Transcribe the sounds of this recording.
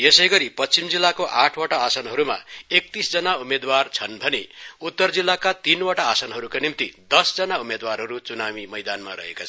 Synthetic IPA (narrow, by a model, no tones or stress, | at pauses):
jesʌjɡʌɾipʌt͡st͡simd͡zilːakoʔaʈʰwaʈaːsʌnɦʌɾuma̰ek̚t̪isd͡zʌnaumed̪wart͡sʰʌnbʱʌneut̪ːʌrd͡zilːakat̪inwaʈaːsʌnɦʌɾukanimt̪id̪ʌsd͡zʌnaumed̪warɦʌɾut͡sunawimʌjd̪anma̰ɾʌ̰ɦḛkot͡sʰʌ